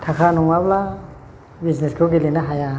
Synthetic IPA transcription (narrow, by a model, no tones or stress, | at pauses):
t̪ʰakʰanuŋabla | bisnɛskʰoɡilinaɦaja